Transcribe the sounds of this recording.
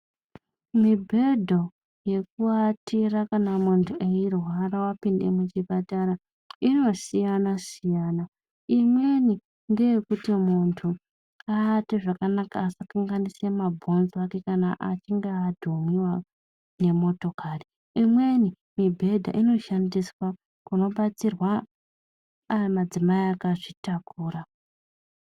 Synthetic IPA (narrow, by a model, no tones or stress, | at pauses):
mibʱe̞dʱo̞ | je̞k̚uatirakanamuntʰuʔeirwaɾawapinde̞̰mut͡ʃipataɾa | ino̞sijanasijaːna | imwe̞ni | ndejekutimuntʰu | aːteʐakanaka̰ːsakaŋɡanise̞mabʱo̞nzake̞kanaʔat͡ʃiŋɡaːdʱomiwa | ne̞mo̞to̞kari | imwe̞ni | mibʱe̞dʱa̰ʔino̞ʃandiswa | kuno̞ɓat͡sirwa | mad͡zimaiakaʐitakuːra